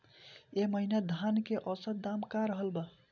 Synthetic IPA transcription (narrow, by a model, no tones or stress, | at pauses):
eməɦinad̪ʱankeʔʌsət̪̚d̪amkaɾəɦəlbə